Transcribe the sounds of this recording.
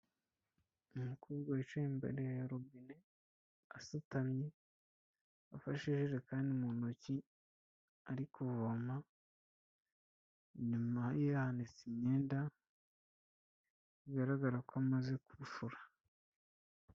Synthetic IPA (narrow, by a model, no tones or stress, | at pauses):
umukʰuːɾɡoet͡ʃiimbḛɾeɾobine | asutamɲe | afaʃiʒiʒekaːndimunoci | aɾikuvoma | ɲumajehanit͡simɲeːnda | iɡaɾaɡaɾakoamaze̞kuʃuɾḁ